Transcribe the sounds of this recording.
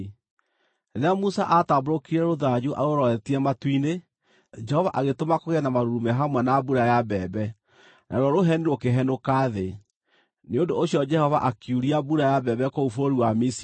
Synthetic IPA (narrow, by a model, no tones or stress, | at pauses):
eɾeamusaʔataboɾokiɾɛɾoðad͡ʑuʔa̰ɾoɾɔɛtiamatwine | d͡ʒɛhɔvaʔaɣetomakoɣɛnamaɾuɾumɛɦamwɛnabuɾajabɛːbɛ | nʔaɾoɾɔɾoɦɛniɾwokeɦɛnokaðe | neondoːɕiɔd͡ʒɛhɔva̰ʔakjuɾiabuɾajabɛbɛkoufoɾoɾiwamis